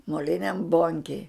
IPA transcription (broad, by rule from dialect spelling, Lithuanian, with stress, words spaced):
moːˈlʲɪnʲɛm ˈboːŋʲkʲeːj